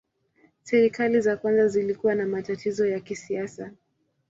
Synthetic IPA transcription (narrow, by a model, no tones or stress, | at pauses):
sɛɾikalizakwanzazilikuwanamatatizɔjakisiasa